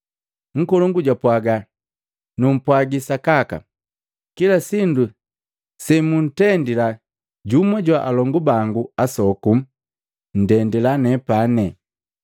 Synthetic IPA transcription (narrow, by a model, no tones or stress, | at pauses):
ŋ̩kɔluŋɡuɟwapwaɡa | num̩pwaɡisakaka̰ | kilasindu | sɛmun̩tɛndila | ɟumaɟwaʔalɔŋɡubaŋɡuasɔkum̩ | n̩dɛndilanɛpanɛ